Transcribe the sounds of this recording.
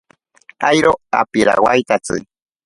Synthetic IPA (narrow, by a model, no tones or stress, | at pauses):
ajɾoa̰piɾa̰wajt̪at͡sɨ̰